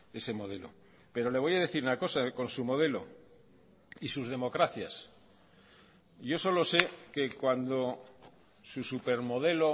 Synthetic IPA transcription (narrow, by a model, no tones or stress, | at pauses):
e̞se̞mo̞ðe̞lo̞̰ | pe̞ɾo̞le̞β̞o̞jaðe̞θiɾunako̞sako̞nsumo̞ð̞e̞lo̞̰ | isuzð̞e̞mo̞kɾaθjas | ʝo̞so̞lo̞se̞ke̞kwand̪o̞ | susupe̞ɾmo̞ð̞e̞lo̞